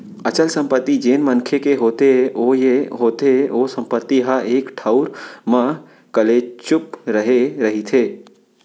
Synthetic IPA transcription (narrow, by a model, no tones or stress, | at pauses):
ət͡ʃəlsə̃mpət̪ːid͡ʒeːnmənkʰekeɦoːt̪eojeɦoːt̪eoːsə̃mpət̪ːiɦaʔeːkʈʰaʊɾmã | kəlet͡ʃʊpɾəɦeɾəɦit̪ʰeː